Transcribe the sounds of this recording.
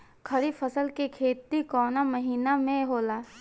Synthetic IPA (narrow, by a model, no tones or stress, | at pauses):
kʰɐɾifʰəsəlkekʰeːt̪ikɔːnamɐɦiːnamẽɦoːlaː